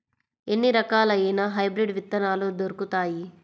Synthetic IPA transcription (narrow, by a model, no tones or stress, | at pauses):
enːiɾɐkaːlɐjinɐɦɐjbɾiɖʋit̪ːɐnaːlud̪oɾukut̪aːji